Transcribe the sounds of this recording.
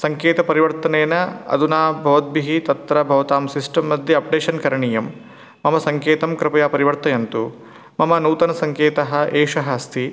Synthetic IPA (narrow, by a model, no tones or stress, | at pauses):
sɐŋkeːt̪ɐpɐɾiʋɐɾt̪ɐneːnɐɐ̰d̪unaːbʱɐʋɐt̪̚biɦit̪ɐt̪ːɾɐbʱɐʋɐt̪aːmsisʈɐmːɐd̪ʱjɐɐp̚ɖeːʃɐnkɐɾɐɳijɐmː | ɐmɐsɐŋkeːt̪ɐmkɾɪpɐjaːpɐɾiʋɐɾt̪ɐjɐnt̪u | mɐmɐnuːt̪ɐnɐsɐŋkeːt̪ɐɦɐ̆ʔeːʂɐɦɐst̪ʰi